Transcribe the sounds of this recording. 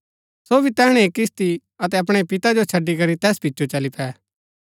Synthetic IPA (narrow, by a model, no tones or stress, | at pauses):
soːbʱit̪ɛːɽ̃ẽeːkɪst̪i | ɐt̪ɛɐpɽ̃epɪt̪ad͡ʒot͡ʃʰɐɖːikɐɾit̪ɛːspɪːt͡ʃot͡ʃɐlipʰɛː